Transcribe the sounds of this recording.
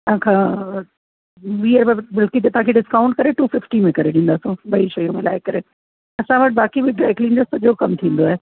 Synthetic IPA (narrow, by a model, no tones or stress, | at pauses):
t̪ãːkʰã | ʋiːəɾbɐbɪlkit̪et̪ɐãkʰeɖɪskaːʊ̃ɳʈ̚kɐɾeʈuːfɪfʈimẽkɐɾeɗĩːn̆d̪aːsũɓɐiʃɐjõmɪla̰ːɪkɐɾe | ɐsãʋɐʈ̚baːkibɪɖɾaːɪklĩːnd͡ʑəɾsɐʄʱokɐmt̪ʰĩːnd̪oaːɦe